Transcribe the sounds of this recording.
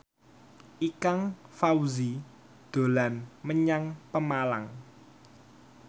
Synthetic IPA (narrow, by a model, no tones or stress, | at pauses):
ʔikaŋfawzi | d̪̥o̤lanməɲaŋpəmalaŋ